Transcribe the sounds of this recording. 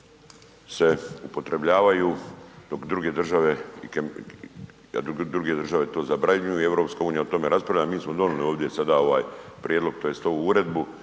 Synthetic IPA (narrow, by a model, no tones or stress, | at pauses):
se̞upo̞t̪ɾe̞bʎaːʋajuːd̪o̞kd̪ɾuɡe̞d̪r̩ʒaʋe̞ik | a̰d̪ud̪ɾuɡe̞d̪rʒaʋe̞t̪o̞ːzabɾaɲujuie̞ʋɾo̞pskauːnijaot̪o̞me̞ɾaspɾaʋʎamiːsmo̞d̪o̞nulioːʋd̪ʲje̞sad̪ao̞ʋa̰ːjpɾjed̪lˠo̞ɡ̚t̪ojest̪ouuɾe̞d̪bu